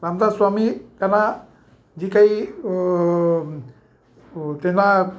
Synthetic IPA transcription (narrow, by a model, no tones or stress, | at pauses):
ɾamd̪aswamikana | d͡ʒikaj | t̪ena